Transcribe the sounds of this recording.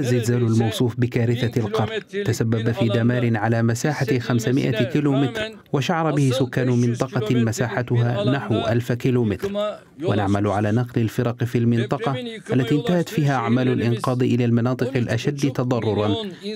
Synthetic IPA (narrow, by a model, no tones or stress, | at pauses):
zːɪlzaːlʊlmɑwsˤuːfbɪkaːɾɪθalqɑɾˤnt̪asabːabafiːd̪amaːɾɪnʕalaːmasaːħaxamsamɪʔa̰kiloːmɪt̪ɾ | waʃaʕɑɾˤɑbɪhɪsʊkːaːnʊmɪnt̪ˤɑqɑmasaːħat̪ʊɦaːnaħwʔalfkiloːmɪt̪ɾ | wanaʕmalʕalaːnɑqlɪlfɪɾɑqfiːlmɪnt̪ˤɑqɑʔalːat̪iːɪnt̪ahat̪fiːɦaʔaʕmaːlʊlʔɪnqɑːd̪ˤʔɪlaːlmɑnɑːt̪ˤɨqɪlʔaʃad̪ːt̪ɑd̪ˤɑrˤːʊɾˤɑn